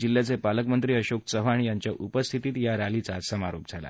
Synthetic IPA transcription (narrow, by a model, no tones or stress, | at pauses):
d͡ʑilːat͡sepaləkmənt̪ɾiːəɕoksəɦaɽijaɲt͡ɕjaʔupəst̪ʰit̪iːt̪jaɾalit͡sasəmaɾop̚d͡zʱala̰